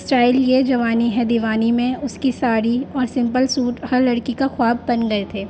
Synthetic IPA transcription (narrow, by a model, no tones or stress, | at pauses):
sʈaːɪljed͡ʒɐʋaːniɦɛd̪ɪʋaːnimẽʊskisaːɾiɔːɾsɪ̃mpəlsuːʈhɐɾlɐɽkikaxʊaːb̚ːɐnɡɐet̪ʰeː